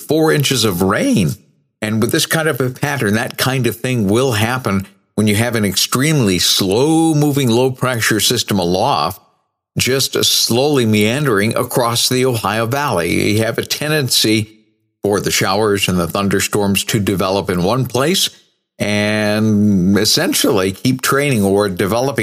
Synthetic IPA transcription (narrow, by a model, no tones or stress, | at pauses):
fɔɹɪ̃nt͡ʃɨzʌvɹẽɪ̃n | ɨ̃nwɨðɪskʰãɪ̃ndʌvɨpʰæɾə̃˞nðɨt̚kʰãɪ̃ndʌv̥θɪ̃ŋwɪlˠɦæpɨ̃n | wə̃njɨːvɨ̃nɨkstɹ̥ĩmlisloʊmuvɪ̃ŋloʊpʰɹ̥ɛʃə˞sɪstɨ̃məlɔf | d̥ʒ̥ʌstsloʊlˠimiæ̃ndə˞ɪ̃ŋʔə̰kʰɹ̥ɔsðioʊɦaɪoʊvælˠḭɨ̰ɨvɨtʰɛ̃ndɨ̃nsi | fə˞ðɨʃaʊə˞zɨ̃nðəθʌ̃ndə˞stɔɹmz̥tʰɨdɨvɛlˠəpɨ̃nwʌ̃npʰl̥eɪs | ʔɨ̃nɪsɛ̃nʃl̩ˠikʰip̚tʰɹ̥ẽɪ̃nɪ̃ŋə˞dɨvɛlˠəpɪ̃